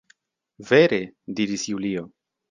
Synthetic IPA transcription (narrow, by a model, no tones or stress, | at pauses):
ve̞ɾe̞diɾisjulio̞